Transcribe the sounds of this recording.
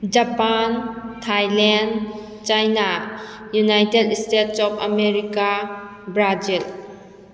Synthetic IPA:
d͡ʒapantʰajlɛn | t͡ʃajna | junajtedestetsɔpʰa̰meɾika | bɾad͡ʒil

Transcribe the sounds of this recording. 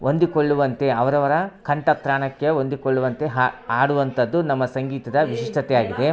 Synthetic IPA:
ʔond̪ikoɭːuʋɐnt̪e̞ɐʋɐɾɐʋɐɾɐkʰɐɳʈɐkɾaːɳɐkːeond̪ikoɭːuʋɐnt̪e̞ɦaːɽuʋɐnt̪ɐd̪ːunɐmːɐsɐŋɡiːt̪ɐd̪ɐʋiʃiʂʈɐt̪ɛjaːɡid̪e̞

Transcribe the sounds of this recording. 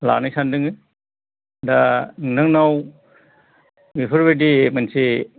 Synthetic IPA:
la̰nɯjsandɯŋɯ | daŋnɯŋnaw | mipʰɯɾbedimansi

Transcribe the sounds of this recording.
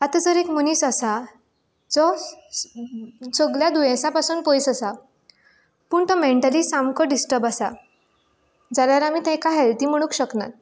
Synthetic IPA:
at̪ad͡zəɾekmunisasa | d͡zɔ | səɡljad̪ujẽsãpasuːnpɔjsasa | puːɳt̪ɔmeɳʈalisamkɔɖisʈəɾbasa | d͡zaljaɾamiːt̪ɛ̃kaɦelt̪im̤əɽ̃ũːkɕəkna̰t̪̚

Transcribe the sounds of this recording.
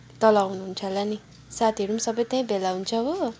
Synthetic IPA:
t̪ʌlaɦunuɦunt͡sʰalani | sat̪ʰiʌɾumasʌbʌjt̪aĩbelaɦunt͡sʰʌɦo

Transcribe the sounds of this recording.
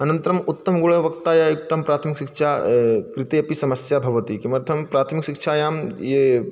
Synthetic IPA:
ɐnɐ̃nt̪ɐɾɐmut̪ːɐmɡuɭɐʋɐkt̪aːjaːjuk̚t̪ɐmpɾaːt̪ʰmikʃikʃʰaːkɾɪt̪eɐpisɐmɐsjabʱɐʋɐt̪ikimɐɾt̪ʰɐmpɾaːt̪ʰmikʃikʃʰaːjaːmje

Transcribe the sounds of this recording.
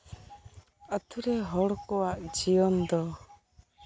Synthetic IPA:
ət̪ʰuɾɛɦɔɽkɔwaʔd͡ʒijɔnd̪ɔ

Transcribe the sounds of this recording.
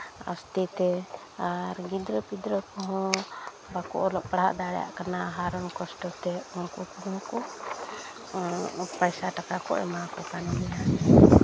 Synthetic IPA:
a̰st̪ɛt̪ɛ | aɾɡid̪ɾəpid̪ɾəkɔɦɔ̃ | bakɔ̰ʔɔlɔʔpaɽa̰ʔd̪aɽɛja̰ʔkanaɦaɾɔnkɔsʈɔt̪ɛunkupunɔ̃kɔ | pajsaʈakakɔ̰ʔɛ̰makɔkanlɛja

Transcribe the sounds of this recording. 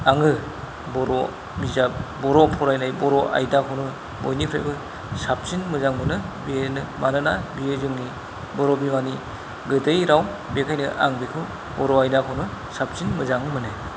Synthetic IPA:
aŋɯ | bɔɾɔ | bizap̚bɔɾɔpʰɔɾajnajbɔɾɔʔa̰jdakʰɯwnɯ | bɔ̰jnipʰɾḛjbɯ | sap̚sinmɯzaŋmɯnɯbienɯmanɯnabiezɯŋni | bɔɾɔbimani | ɡɯdɯjɾaw | bekʰajnɯʔa̰ŋbikʰɯ | bɔɾɔajdakʰɯwnɯ | sap̚sinmɯzaŋɯmɯnɯj

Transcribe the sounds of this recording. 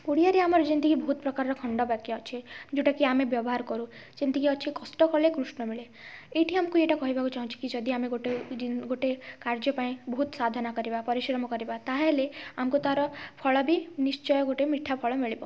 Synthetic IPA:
uɽijaɾeamɔɾd͡ʒind̪iɡʱibɔɦut̪̚pɾɔkaɾɾɔkʰɔɳɖɔbakːɔt͡ʃʰed͡ʒeʈakiamebjɔbɔɦaɾkɔɾũ | t͡ʃind̪iɡʱiɔt͡ʃʰekɔsʈɔkɔɾlekɾusɳɔmiɭe | eʈʰiamkueʈakɔɦibakut͡ʃaɦũt͡ʃʰi̥kid͡ʒɔd̪iameɡoʈeɡoʈekaɾd͡ʒɔpaĩbɔɦut̪sad̪ʱanakɔɾibapɔɾiʃɾɔmɔkɔɾibat̪aɦeleamkut̪aɾɔpʰɔɭɔbʱinist͡ʃɔjɔɡoʈemiʈʰːapʰɔɭɔmiɭibɔ

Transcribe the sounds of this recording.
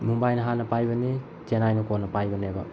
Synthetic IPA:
mumbajnɐɦanɐpajbɐni | tenajnɐkonːɐpajbɐnebɐ

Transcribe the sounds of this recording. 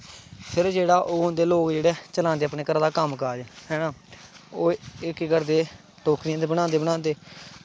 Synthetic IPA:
pʰɪɾd͡ʒeːɽaːʔoːnd̪eːloːkd͡ʒeːɽɛːt͡ʃəlãːnd̪eːaːpneːkəɾaːd̪aːkəmkəːd͡ʒhɛːnãːoːɪkːkəɾd̪eː | ʈoːkʰɾɪjãːd̪eːbəɽaːnd̪eːbəɽãːnd̪eː

